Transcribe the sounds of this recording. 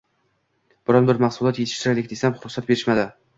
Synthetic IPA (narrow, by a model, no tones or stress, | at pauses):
b̥ʊɾɒnbɪɾmaχsʊlˠɒt̪jet̪ʰɪ̥ʃt̪ɪɾalʲɪk̚ʲd̪esamχʊɾʊχsat̪̚be̞ɾɪʃmad̪ɪ